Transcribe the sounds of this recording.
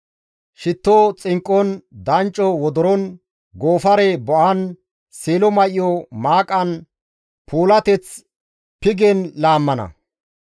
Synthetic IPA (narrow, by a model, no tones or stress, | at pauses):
ʃɪt̪ːoːt͡sʼɪŋkʼːɔnd̪ɐnt͡ʃʼːɔwɔd̪ɔɾɔn | ɡoːfɐɾebɔʔɐn | seːlɔmɐʔɪjɔmaːkʼɐn | pʰuːlɐt̪ɛt͡s | pɪɡɛnlaːmːɐnɐ̰